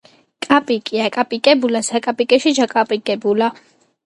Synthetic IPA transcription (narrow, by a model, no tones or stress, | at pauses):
kʼapʼikʼiakʼapʼikʼɛbulasakʼapʼikʼɛʃid͡ʒakʼapʼikʼɛbula